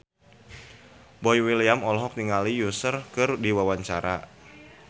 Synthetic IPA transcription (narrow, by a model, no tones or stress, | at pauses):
bɔjwiliamɔlɔɦɔk̚niŋalijusərkɨrdiwawaɲt͡ʃaɾa̰